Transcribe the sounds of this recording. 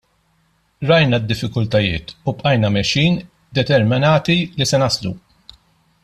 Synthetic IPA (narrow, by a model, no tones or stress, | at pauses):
ɾɐjnɐd̪ːɪfːɪkʊlt̪ɐjɪ̰ːt̪upʼʔɐjnɐmɛʃiːn | d̪ɛt̪ɛɾmɪnɐːt̪ilisɛnɐslṵ